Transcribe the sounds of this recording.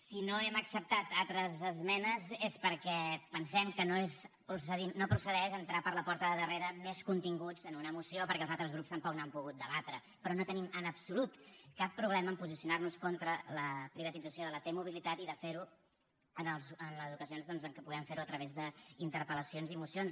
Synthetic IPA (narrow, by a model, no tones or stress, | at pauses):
sinoɛməksəp̚t̪at̪at̪ɾəzəzmɛnəzespəɾkɛpənsɛmkənoes | pɾusəðimnopɾusəðɛʃənt̪ɾapəɾləpɔɾt̪əðəðəreɾəmeskunt̪iŋɡud͡zənunəːmusiopəɾkɛːlˠzalˠt̪ɾəzɣɾupst̪əmpɔk̚nampuɣut̪̚d̪əβat̪ɾə | pɾɔnot̪ənimənəpsulut̪kapːɾuβlɛməːmpuzisjunarnuskɔnt̪ɾələpɾiβət̪id͡zəsioðələt̪emuβ̞ilit̪at̪iðəfeɾu | ənəlˠzənləzukəzionzðɔnzəŋkɛpuɣɛmfeɾuət̪ɾəβezðəint̪əɾpələsionzimusjons